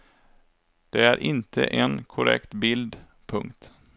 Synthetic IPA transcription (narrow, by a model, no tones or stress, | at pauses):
d̪̥ɛæɾʔɪnt̪ʰə̰ʔenkʰʊɾɛ̰kt̪bɪld̪ | pʰɵŋkt̪